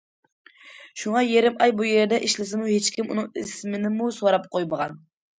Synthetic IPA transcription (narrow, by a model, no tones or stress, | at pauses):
ʃuŋɑjeɾɪmɑjbujeɾd̪ɛʔiʃlɪsɪmuhet͡ʃkʲʰimṵnɨŋḭsmɪnɪmusoɾɑp̚qʰojməʁɑn